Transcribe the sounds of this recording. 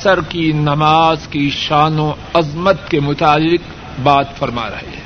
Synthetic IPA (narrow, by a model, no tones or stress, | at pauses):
ɐsəɾkinɐmaːzkiʃaːnõɐzmət̪kemʊt̪aːlːɪq | baːt̪fɐɾma̰ɾɐ̰ɦḛ